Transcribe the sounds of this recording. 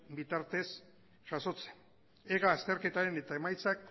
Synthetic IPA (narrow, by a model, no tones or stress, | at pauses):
bit̪aɾt̪e̞s | ʝ̥aso̞t͡se | eɣaːst̪eɾke̞t̪aɾe̞ne̞t̪ae̞majt͡sak̚